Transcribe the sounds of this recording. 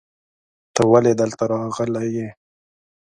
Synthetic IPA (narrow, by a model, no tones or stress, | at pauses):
t̪əwaled̪əlt̪aɾɑɣəlaje